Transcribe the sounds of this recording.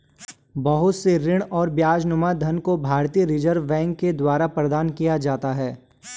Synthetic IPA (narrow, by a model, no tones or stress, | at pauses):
bɐɦʊt̪seɾɪɽ̃ɔːɾbjaːd͡ʒnʊmad̪ʱɐnkobʱaːɾt̪iːəɾɪd͡ʒəɾʋːɛ̃ːŋkːed̪waːɾapɾɐd̪aːnkijad͡ʒaːt̪aɦɛː